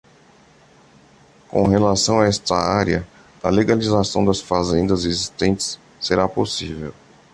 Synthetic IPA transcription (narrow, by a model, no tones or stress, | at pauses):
kõ̰ɦelasɐ̃w̃aɛst̪ɐ̰aɾjɐ | ɐleɡalizasɐ̃w̃d̪ɐsfazẽnd̪ɐzezist̪ẽnt͡ʃɪ̥sː | eɾaposivew